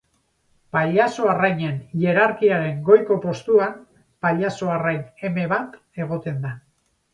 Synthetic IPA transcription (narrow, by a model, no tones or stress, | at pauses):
paʎaso̞arajɲe̞nje̞ɾaɾkiaɾe̞ŋɡo̞jko̞po̞st̪uan | paʎaso̞arajne̞me̞βat̪ | e̞ɣ̞o̞t̪e̞nd̪a